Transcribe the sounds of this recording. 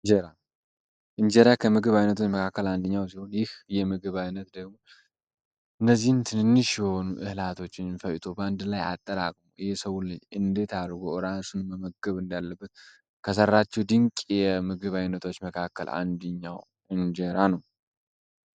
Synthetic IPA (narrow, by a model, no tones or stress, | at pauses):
d͡ʒɛɾa | ʔɨɲd͡ʒəɾakʰəmɨɡɨβajnət̪ʰo̞t͡ʃːməkʰakːəland̪əɲːaws̬iho̞njɪhjɛmɨɡɨβajnət̪d̪əɡmo̞ | ʔɨnːəzːihnt̪ʰɨnɨnːɨʃjɛho̞nuʔɨhɨlat̪ʰo̞t͡ʃːɪnfəjt̪ʰo̞band̪laja̰t̪ʼːəɾakʼmuʔɨhesəwulɨɲːɨnd̪e̞t̪ʰaɾɡoʔɨɾasunməməɡəβɨnd̪alːəbːət̪ | kʰəsərːat͡ʃːɛwd̪ɨŋkʼjɛmɨɡɨβajnət̪ʰo̞t͡ʃːməkʰakːə̰la̰nd̪ɨɲːaw | ɨnd͡ʒeɾanəw